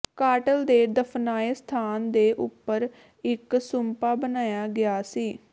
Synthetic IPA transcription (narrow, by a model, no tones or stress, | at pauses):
kaːʈəld̪eːd̪əpʰnaːeːst̪ʰaːnd̪eːʔʊpːəɾ | ɪksʊmpaːbənaːjaːɡɪaːsiː